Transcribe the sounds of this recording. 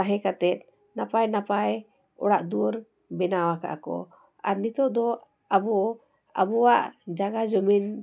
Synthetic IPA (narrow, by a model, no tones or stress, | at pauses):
aɦɛ̃kat̪ɛt̪̚ˀ | napajnapaj | ɔ̰ɽaʔd̪uɔɾ | bɛnawaka̰ʔkɔ̰ | a̰ɾnit̪ɔʔd̪ɔ | abɔ | a̰bɔwaʔd͡ʒaɡad͡ʒɔmin